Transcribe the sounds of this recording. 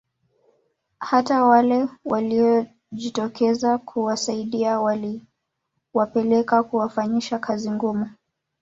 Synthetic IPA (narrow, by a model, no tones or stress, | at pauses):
hatawalɛwʔaliɔ | ʄitɔkʰɛzakʰuwasaiɗiawali | wapɛlɛkakuwafaɲiʃakʰaziŋɡumu